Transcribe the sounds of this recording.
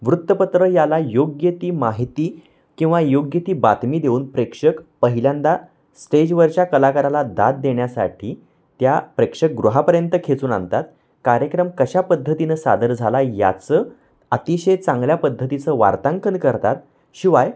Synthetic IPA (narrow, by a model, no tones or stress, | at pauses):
ʋɾut̪ːəpət̪ɾəjalajoɡjət̪iːmaɦit̪iː | kĩw̃ʋajoɡjət̪iːbat̪miːd̪euːnpɾekʂəkpəɦiljand̪a | sʈed͡ʑʋəɾt͡ɕjakəlakaɾalad̪at̪̚d̪eɳjasa̰ʈʰiː | t̪japɾekʂək̚ɡɾuɦapəɾjənt̪əkʰet͡suːna̰nt̪at̪ | kaɾjəkɾəmkəɕapəd̪ʱːət̪inəsa̰d̪əɾd͡zʱalaja̰t͡səː | at̪iɕejt͡sãŋɡljapəd̪ʱːət̪it͡səʋa̰ɾt̪aŋkənkəɾt̪at̪̚ | ɕiʋaj